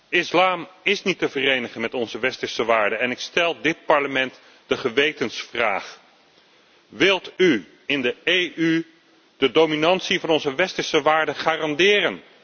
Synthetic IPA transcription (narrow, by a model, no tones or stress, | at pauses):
ɪslaːmɪsnitəvərejnəχənmɛtɔnzəʋɛstəɹsəʋaːɹdəɛnɪkstɛlˠdɪt̚pɑɹləmɛnt | d̥əχəʋejtənsfra̰ːχ | ʋɪlˠty | ɪndəejʔy | dədowminɑntsivɑnɔnzəʋɛstəɹsəʋaːɹdəχaːrɑndɪːrən